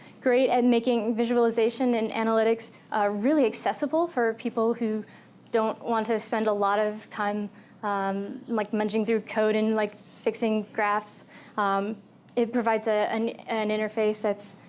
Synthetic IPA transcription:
ɡ̥ɹeɪɾɨt̚meɪkɪ̃ŋvɪʒɨl̩ˠəzeɪʃɨ̃nɨ̃næ̰nəlɪɾɨks | ʔʌɹɪlˠiɨksɛsəbl̩ˠfə˞pʰipl̩ˠhʉ | d̥õʊ̃nʔwʔɑ̃ntʰɨspɛ̃ndəlɔɾʌv̥tʰãɪ̃m | ʌ̃mlaɪk̚mʌ̃nd͡ʒɪ̃ŋθɹʉkʰoʊɾɨ̃nlaɪk | fɪksɪ̃ŋɡ̥ɹæftsʌ̃m | ɨt̚pʰɹ̥ɨvaɪdzɨɨ̃nɨ̃nɪ̃ɾ̃ə˞feɪsðɨts

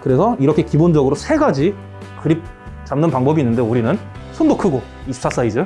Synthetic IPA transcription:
kɯɾe̞sʰʌiɾʌkʰe̞kibond͡ʑʌɡɯɾosʰe̞ɡad͡ʑi | kɯɾip̚ | t͡ɕamnɯnpaŋbʌbinːɯndeuɾinɯn | sʰondokʰɯɡo | isʰu̥tʰas͈aid͡ʑɯ

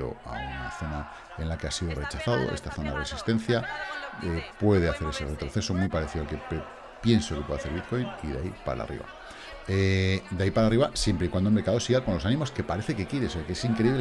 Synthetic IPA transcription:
o̞̰a̰una̰θo̞na | e̞nlake̞asiðo̞re̞t͡ʃaθaðo̰ʔest̪aθo̞naresist̪ẽ̞nθjaepwe̞ðeaθe̞ɾe̞se̞re̞t̪ɾo̞θe̞somwipaɾeθiðlke̞pe | pje̞nsokepweðaθeɾβit̪ko̞jniðaipa̰ɾa̰rʔḭβa̰ | ed̪eaipaɾariβasje̞mpɾekwand̪olmeɾkaðo̞siɣalko̞nlo̞sanĩmo̞ske̞paɾe̞θe̞ke̞kjeɾeoseakeesiŋkɾeiβl

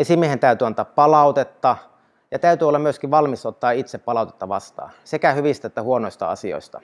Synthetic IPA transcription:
esimiehent̪æyt̪yɑnt̪ɑːppɑlɑˑut̪et̪ːɑ | jɑt̪æyt̪yolːɑmmyøskiʋʋɑlmisot̪ːɑːit̪seppɑlɑˑut̪e̥t̪ːɑʋɑst̪ɑ̰ːsekæhyʋist̪æet̪ːæhuonoist̪ɑ̰ɑ̰sio̰ist̪ɑ̰

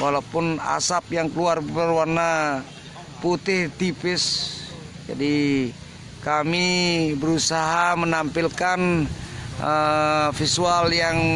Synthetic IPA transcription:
walapʊna̰sap̚jaŋkəluarbərwarna | put̪ɪht̪ipɪs | d͡ʒa̰di | kamibəɾusaɦamənampilkan | əfisualjaŋ

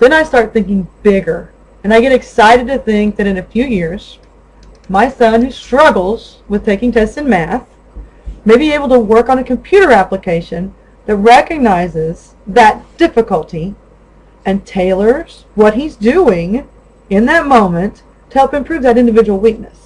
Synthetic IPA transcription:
ðɨ̃ñaɪstɑɹt̪̚θɪ̃ŋkɪ̃ŋb̥ɪɡə˞ | ɨ̃naɪɡɛɾɨksaɪɾɨd̚tɨθɪ̃ŋk̚ðɨɾɨ̃nɨfjʉjɪɹz̥ | maɪsʌ̃nhʉstɹ̥ʌɡl̩ˠz̥ | wɨð̥tʰeɪkɪ̃ŋtʰɛstsɨ̃nmæθ | meɪbieɪbl̩ˠtəwɜ˞kn̩ɨkʰɨ̃mpʰj̥ʉɾə˞æpləkʰeɪʃɨ̃n | ðɨt̚ɹɛkɨɡ̚naɪzɪz̥ | ðɨt̚d̥ɪfɨkəl̩ˠtʰi | ɨ̃ntʰeɪlˠə˞z̥ | wʌt̚ɦizdʉɪ̃ŋ | ɪ̃nðɨt̚mõʊ̃mɨ̃ntʰ | əhɛlˠpɨ̃mpʰɹ̥ʉvðɨɾɪ̃ndɨvɪd͡ʒəwl̩ˠwik̚nɨs

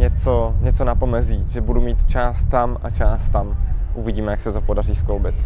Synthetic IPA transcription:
ɲɛt͡soɲɛt͡sonapo̞mɛziːʒɛbudumiːt̪t͡ʃaːst̪ːamat͡ʃaːst̪amʔuvɪɟiːmɛjaksɛt̪opodar̝iːsklowbɪt̪

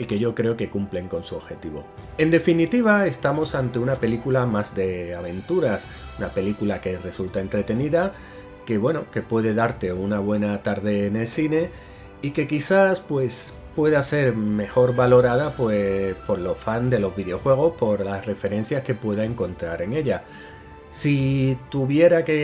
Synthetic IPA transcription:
ike̞ʝo̞kɾe̞o̞ke̞kumple̞ŋko̞nsuoβxe̞t̪iβo̞̰ | e̞nd̪e̞finit̪iβae̞st̪amo̞sant̪e̞unape̞likulamazðe̞aβ̞e̞nt̪uɾas | unape̞likulake̞re̞sult̪ae̞nt̪ɾe̞t̪e̞niða | ke̞βwe̞noke̞pwe̞ðe̞ðaɾt̪e̞unaβ̞we̞nat̪aɾðe̞ːne̞lsine̞ | ike̞kiθaspwe̞s | pwe̞ðase̞ɾme̞xo̞ɾβalo̞ɾað̞apwepo̞ɾlo̞fand̪e̞lo̞zβiðeo̞xwe̞ɣ̞o̞spo̞ɾlasre̞fe̞ɾe̞n̟θjaske̞pwe̞ð̞ae̞ŋkõ̞nt̪ɾaɾe̞ŋe̞ʎa | sit̪uβje̞ɾake

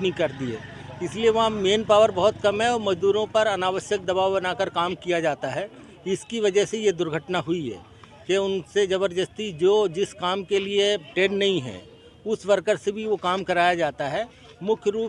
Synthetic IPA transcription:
nĩkɐɾd̪iḛː | ɪslieʋɐɦãmeːnpaːʋəɾbɐɦʊt̪kɐmɦɛ̃ɔːɾmɐd͡ʒd̪uːɾõpɐɾɐnaːʋəʃjək̚d̪ɐbaːwbɐnaːkəɾkaːmkijad͡ʒaːt̪aɦɛ | ɪskiʋɐd͡ʒəɦsejed̪ʊɾɡʱəʈnaɦʊiɦɛ̰ː | keʊnsed͡ʒɐβəɾd͡ʒəst̪id͡ʒoːd͡ʒɪskaːmkelieʈeːɖnɐɦĩɦɛ̰̃ | ʊsʋɐɾkəɾsebʱiʋokaːmkɐɾaːjad͡ʒaːt̪aɦɛː | mʊkʰjəɾuːp

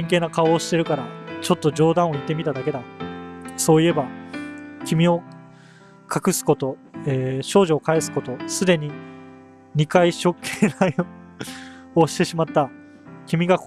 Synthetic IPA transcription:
ĩŋke̞ːnakao̞ːɕi̥t̪e̞ɾɯ̟kaɾat͡ɕo̞t̪ːo̞d͡ʑo̞ːd̪ãɰ̃o̞it̪ːe̞mʲit̪ad̪ake̞d̪a | so̞ːie̞ba | kʲimʲio̞ | kʰakɯ̟sɨ̥ko̞t̪o̞eɕo̞ːʑo̞ːkae̞sɨ̥ko̞t̪o̞sɨd̪e̞ɲ̟i | ɲ̟ikaiɕo̞kʰːeːɾai | o̞ɕi̥t̪e̞ɕimat̪ːa | kʲimʲiɡak

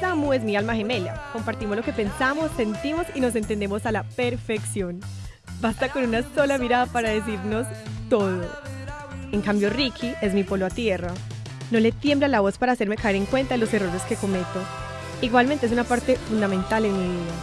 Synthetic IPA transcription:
samue̞zmialmaxe̞me̞lja̰ko̞mpaɾt̪imo̞zloke̞pe̞nsamo̞sːe̞nt̪imo̞sino̞s̬e̞nt̪end̪e̞mo̞salape̞ɾfe̞ksjo̞n | bast̪ako̞nunaso̞lamiɾaðapaɾaðe̞s̬iɾno̞st̪o̞ðo | eŋkambjo̞rikʰiʔe̞zmipo̞loat̪je̞ra | no̞le̞t̪je̞mblalaβo̞spaɾaːse̞ɾme̞kaeɾe̞ŋkwe̞nt̪aðelo̞se̞roɾe̞ske̞ko̞me̞t̪o̞ | iɣwalment̪es̬unapaɾt̪e̞fund̪amẽ̞nt̪alenmiβiða

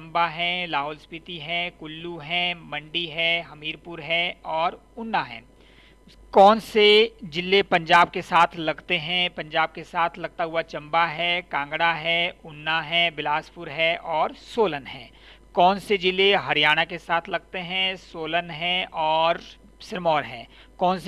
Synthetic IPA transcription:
mbaɦɛ̃laːɦʊːlspɪt̪iɦɛ̃kʊlːuɦɛ̃mɐ̃ɳɖiɦɛ̃ɦɐmiːɾpʊɾɦɛ̃ɔːɾ | ʊnːaɦɛ̰̃ː | kɔːnsed͡ʒɪlːepɐ̃ɲd͡ʒaːb̚kesaːt̪ʰlɐɡt̪eɦɛ̃pɐ̃ɲd͡ʒaːb̚kesaːt̪ʰlɐɡ̚t̪aɦuat͡ʃɐ̃mbaɦɛkãːŋɡɽaɦɛʊnːaɦɛ̃bɪlaːspʊɾɦɛʔɔːɾsoːlənɦɛ̰̃ː | kɔːnsed͡ʒɪlːeɦɐɾijaːɽ̃akesaːt̪ʰlɐɡ̚t̪eɦɛ̃soːlənɦɛ̃ɔːɾ | sɪɾmɔːɾɦɛ̃ː | kɔːns

